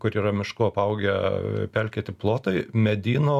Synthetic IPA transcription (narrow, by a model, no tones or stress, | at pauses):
kʊɾiːɾɐmʲɪʃkʊɐpɐʊɡʲɛpʲɛlʲkʲeːt̪ʲɪplˠoːt̪ɐɪmʲɛd̪ʲiːnoː